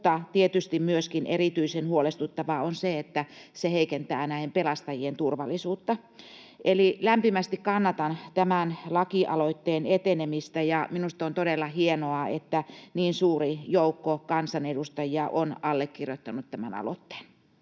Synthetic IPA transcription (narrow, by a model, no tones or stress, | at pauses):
t̪ɑt̪iet̪yst̪immyøskinerit̪yisenhuolest̪ut̪ːɑʋɑonseet̪ːæseheikent̪æːnæˑihempelɑst̪ɑjient̪urʋɑlːˑisuːt̪ːɑ | ʔelilæmpimæst̪ikkɑnːɑt̪ɑnt̪æmænlɑkiʔɑ̰loit̪ːeːnet̪enemist̪æjɑminust̪ont̪odelːɑhienoɑḛt̪ːæniːnsuːrijoukːokɑnsɑnedust̪ɑjiɑʔonɑlːekkirjot̪ːɑnut̪t̪æmæ̰nɑ̰lo̰t̪ːe̥ːn